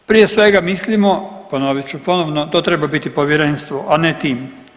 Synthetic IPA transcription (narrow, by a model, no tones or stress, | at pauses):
pɾije̞sʋe̞ɡamislimoponoʋit͡ɕupo̞noʋnot̪o̞ːt̪ɾe̞babit̪ipoʋjeɾe̞nst̪ʋoʔanet̪iːm